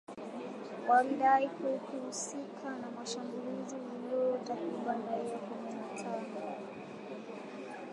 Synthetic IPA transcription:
waliɗaikukuhusikʰanamaʃambuliziwaliɔtakiɓandaiakɛɲɛnatʰaɡɔ

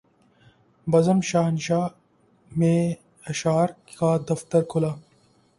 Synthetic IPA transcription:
bɐzɐmʃaːnɕaː | meː | ɐɕaːɾkkaːd̪ɐft̪ɐɾkʰulɐ

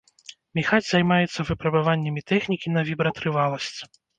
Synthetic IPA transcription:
mʲixad͡zʲzajmajɛt̪sːɐvɨpɾɐbavanʲːɐmʲit̪ɛxnʲikʲinɐvʲibɾɐt̪ɾɨvalˠɐsʲt͡sʲ

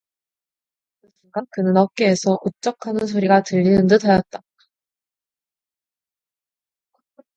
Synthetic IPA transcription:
ɯiŋɡankɯnɯnʌk͈eːsʰʌʔut͡ɕ͈ʌkʰanɯns̬ʰoɾiɡatɯʎːinɯndɯdʰajʌt̚t͈a

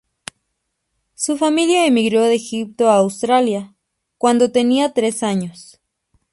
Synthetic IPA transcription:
sufamiljaemiɣɾoðeːxip̚t̪oaːwst̪ɾalja | kwand̪ot̪eniat̪ɾesaɲos

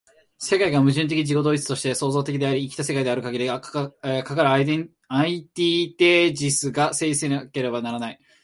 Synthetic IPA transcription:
se̞kaiɡamɯ̟ʑɨ̃nt̪̬e̞kʲiid͡ʑiko̞d̪o̞ːit͡sɨ̥t̪o̞ɕi̥t̪e̞so̞ːzo̞ːt̪e̞k̬ʲid̪e̞aɾʲiːkʲi̥t̪ase̞kaid̪e̞aɾɯ̟kaɡʲiɾʲiɡakakaɾɯ̟ | ait̪iːt̪e̞d͡ʑisɨɡase̞ːd͡ʑiseake̞ɾe̞banaɾanai

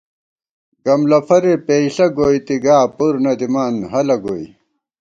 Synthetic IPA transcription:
ɡɐmlɐfʰɐɾepeiɬɐɡoːjt̪iɡaːpuɾnɐd̪imaːnɦɐlɐɡoːj

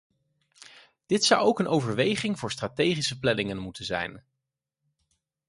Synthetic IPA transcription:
d̥ɪtsʌwowkənʔowvəɹʋejχɪŋvʊːɹstratejχisəplɛnɪŋənmutənzɛ̰jn

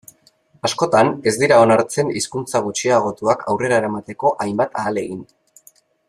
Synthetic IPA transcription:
asko̞t̪ane̞zd̪iɾao̞naɾt͡se̞niskunt͡saɣ̞ut͡ʃiaɣ̞o̞t̪uakʰawre̞ɾaeɾamat̪e̞ko̞ʔajmbat̪aːle̞ɣin

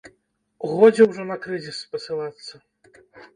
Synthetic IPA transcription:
wɣɔd͡zʲɛwʐɔnɐkɾɨzʲispɐsɨlˠat̪sːɐ

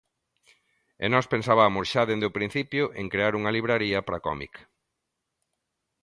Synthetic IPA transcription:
ḛnɔspensaβamʊsʃaðend̪ʊpɾin̟θipjʊʔeŋkɾeaɾuŋɐliβɾaɾiɐpɾɐkɔ̰mḭk

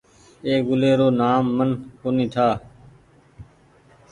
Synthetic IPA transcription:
eːɡʊleːɾoːnaːmːənkoːnĩːt̪ʰaː

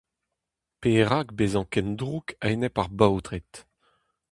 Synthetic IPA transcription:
peːʁakbeːzɑ̃kɛnd̪ʁukʰɛjnɛpaʁbawtʁet̪

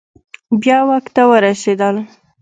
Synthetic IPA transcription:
bjɑwaxt̪awəɾased̪əl

